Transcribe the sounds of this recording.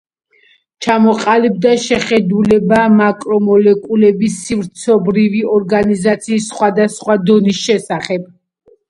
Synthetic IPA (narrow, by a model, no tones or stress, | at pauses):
t͡ʃʰamɔqʼalib̚d̪aʃɛχɛd̪ulɛbamakʼɾɔmɔlɛkʼulɛbisivɾt̪sʰɔbɾiviɔɾɡanizat̪sʰiːsːχwad̪asχwad̪ɔnisʃɛsaχɛb̥̚